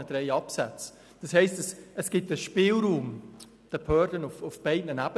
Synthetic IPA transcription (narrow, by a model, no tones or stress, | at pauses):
əd̥ɾɛɪɑpsæt͡s | d̥ɑshɛɪstəsəsɡ̥ɪtːəʃpɪːlɾuːm | d̥əphœːɾdənʊfʊfb̥ɛɪdnənæb̥ə